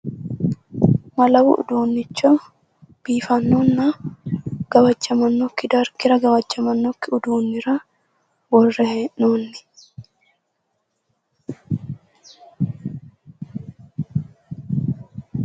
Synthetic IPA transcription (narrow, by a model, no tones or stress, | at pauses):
mɐlɐwʊʊ̰d̪uːnːɪt͡ʃːɔ | b̥iːfɐnːoːnːɐ | ɡ̥ɐwɐt͡ʃːɐmɐnːɔkːɪd̪aɾkɪɾɐɡɐwɐt͡ʃːɐmɐnːɔkːɪʊd̪uːnːɪɾɐ | wɔrːɛheːnoːnːɪ̥